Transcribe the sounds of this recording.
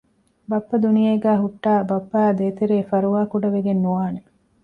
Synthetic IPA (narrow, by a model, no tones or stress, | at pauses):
bɐpːɐd̪unijeːɡæːɦuʈːaːbɐpːɐːd̪eːt̪eɾeːfɐɾuʋaːkuɖɐʋeɡenːuʋaːne